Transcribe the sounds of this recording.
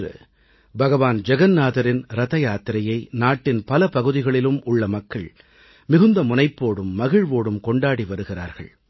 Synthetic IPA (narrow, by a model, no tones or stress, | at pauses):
ɐ̰ | bɐɣɐʋaːnd͡ʒɛɣɐnnaːðɐɾɪnɾɐðɐjaːt̪ɪɾɐjɐɪnaːʈːɪnpɐlɐpɐɣɯðɪɣɐɭɪlɯmʊɭːɐmɐkːɐɭ | mɪɣɯnd̪ɐmʊnɐɪpːoːɽɯmːɐɣɪɻʋoːɽɯmkɔɳɖaːɽiʋɐɾɯɣɪra̰ːɾɣɐ̰ɭ